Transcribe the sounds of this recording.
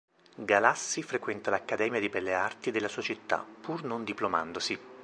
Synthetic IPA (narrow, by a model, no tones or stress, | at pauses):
ɡalasːifɾekwɛnt̪alakːad̪ɛːmjad̪ibɛlːeart̪id̪elːasuat͡ʃit̪ːa̰pːurnond̪iploma̰nd̪osi